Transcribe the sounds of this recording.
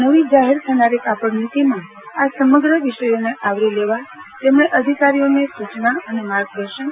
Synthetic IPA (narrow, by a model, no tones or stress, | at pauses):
nəʋid͡ʒaɦeɾt̪ʰənaɾekapəɽnit̪imã | asəməɡɾəʋiʃəjoneʔaʋɾileʋat̪emɳeʔəd̪ʱikaɾijonesut͡ʃnaənemaɾɡ̚d̪əɾʃən